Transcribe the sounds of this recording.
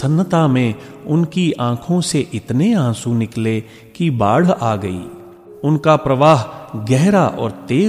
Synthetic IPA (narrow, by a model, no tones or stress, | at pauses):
sɐnːət̪amẽʊnkiʔãːkʰõseʔɪt̪neãːsũnɪkle | kibaːɽ̤aːɡɐḭː | ʊnkapɾɐʋaːɦɡɛɦɾaʔɔ̰ːɾt̪eː